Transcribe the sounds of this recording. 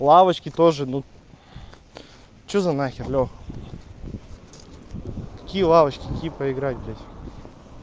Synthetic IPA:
lˠavət͡ɕkʲɪt̪oʐɨnu | t͡ɕuzɐnaxʲɪrlʲo | kɐ̥kʲijəlˠavɐt͡ɕkʲɪkɐkʲijpəɪɡɾatʲɡʲatʲ

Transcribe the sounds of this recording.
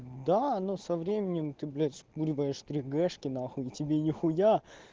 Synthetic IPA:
d̪anosɐvɾʲemʲɪnʲɪmt̪ɨblʲet̪spuɾʲvəjɪʂt̪ɾʲiɡɛʂkʲɪnaxʊitʲɪbʲenʲɪxʊja

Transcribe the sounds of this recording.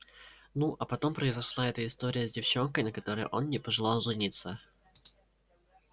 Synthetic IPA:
nuʔɐpɐt̪o̞mpɾəɪzɐʂlˠaɛt̪əɪst̪o̞ɾʲɪjəzʲdʲɪft͡ɕo̞nkəjnəkɐt̪o̞ɾəj̰ʔo̞nnʲɪpəʐɨlˠalˠzɨnʲit̪sːə

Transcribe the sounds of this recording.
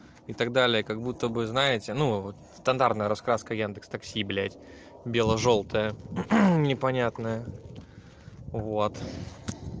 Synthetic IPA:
ɪt̪ɐɡ̚d̪alʲɪjəkɐɡ̚but̪ːəbɨznaɪtʲɪnu | st̪ɐnd̪art̪nəjəɾɐskɾaskəjand̪əkst̪ɐksʲiblʲætʲ | bʲe̞lˠəʐo̞lˠt̪əjə | nʲɪpɐnʲat̪nəjə | vot̪

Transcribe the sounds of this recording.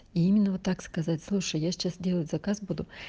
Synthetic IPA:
iimʲɪnːəʋot̪ːakskɐzatʲslˠuʂəjjaʃt͡ʃɛsʲdʲilˠətʲzɐkazbud̪ʊ

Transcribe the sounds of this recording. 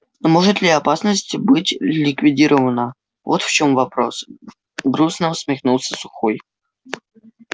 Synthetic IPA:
moʐɨt̪lʲɪɐpasnəsʲtʲbɨtʲlʲɪkvʲɪdʲiɾʔəvənə | vot̪ft͡ɕo̞mvɐpɾo̞s | ɡɾusnəsʲmʲɪxnulˠsʲəsʊxoj

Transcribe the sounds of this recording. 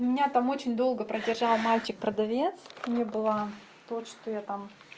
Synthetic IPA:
mʲɪnʲat̪amot͡ɕɪnʲd̪o̞lˠɡəpɾədʲɪrʐɑlˠmalʲt͡ɕɪk̚pɾəd̪ɐvʲet̪snʲebɨlˠa | t̪ot̪ʂt̪ojat̪am

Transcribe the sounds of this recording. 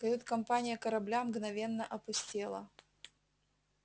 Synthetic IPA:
kɐut̪kɐmpanʲɪjəkɐɾɐblʲamɡnɐvʲenːəʔɐpʊsʲtʲelˠə̰

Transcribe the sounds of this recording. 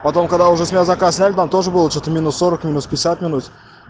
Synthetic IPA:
pɐt̪o̞mkɐɡd̪aʊʐɛsmʲɪjazɐkassʲnʲælʲɪt̪amt̪o̞ʐəbɨlˠət͡ɕot̪əmʲinʊsːo̞ɾəkmʲinʊspʲɪɪsʲat̪mʲɪnut̪

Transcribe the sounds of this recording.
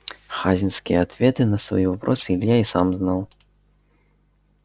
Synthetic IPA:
xazʲinskʲijɛat̪vʲɛt̪ɨnɐsva̰jivapɾʔɔsɨilʲjaisamznaw

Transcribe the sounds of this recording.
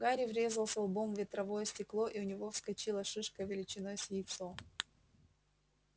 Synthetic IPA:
ɡaɾʲɪvɾʲe̞zəlˠsʲɐlˠbo̞mvʲɪt̪ɾɐvo̞jəsʲtʲɪklˠo̞ʔiʊnʲɪvo̞fskɐt͡ɕilˠəʂɨʂkəvʲɪlʲɪt͡ɕɪnojəsʲjit̪so

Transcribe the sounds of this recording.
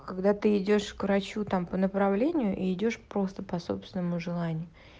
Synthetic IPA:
kaɡd̪at̪ɨɪdʲo̞ʂkvɾɐt͡ɕut̪ampənəpɾɐvlʲenʲɪjʊʔiɪdʲo̞ʂpɾo̞st̪əpɐso̞̰psvʲɪnəmʊʐɨlˠanʲɪjʊ

